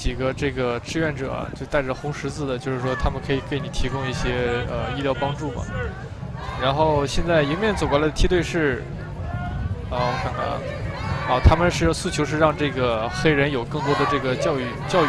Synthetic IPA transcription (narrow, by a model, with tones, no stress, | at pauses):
t͡ɕi˨˩ɡə˦ʈ͡ʂɤ˥˩ɡə˩ʈ͡ʂɻ̩˥˧ɥɛ˥˩nʈ͡ʂɤ̰˨˩ɐ̰˦t͡ɕjo˥˧ʊt̪a˥˩ɪʈ͡ʂə˩xʊ˧˥ŋʂɻ̩˧˥t͡sɹ̩˥˩d̪ə˩t͡ɕjo˥˧ʊʂɻ̩˥˩ʂwɔ˥t̪ʰa˥mə˨nkʰɤ˧˥i˨˩ke˧˥˩ɪ˧ni˨˩t̪ʰi˧˥kʊ˥ŋi˥˩ɕjɛ˥ə˧i˥˧ljɑ˥˩ʊpɑ˥ŋʈ͡ʂu˥˩mɐ̰˩ | ɻa˧˥nxo˥˧ʊɕjɛ˥˧nt͡sa˥˩ɪi˧˥mjɛ˥˩nt͡so˨˩ʊkwla˧˥d̪ət̪ʰi˥t̪we˥˧ɪʂɻ̩˥˧ | ɔ˥˧˩kʰa˥˩nɐ̰˧˥ | ɑ˥˩t̪ʰa˥mə˨nʂɻ̩˥˧sɹ̩˥˩t͡ɕʰjo˧˥ʊʂ̬ɻ̩˥˧ɻɑ˥˧ŋʈ͡ʂɤ˥˩ɡə˩xe˥ɪɻə˧˥njo˨˩ʊkɤ˥˩ŋt̪wɔ˥d̪ə˨ʈ͡ʂɤ˥˩ɡə˩t͡ɕjɑ˥˧ʊy˥˩t͡ɕjɑ˥˧ʊ˩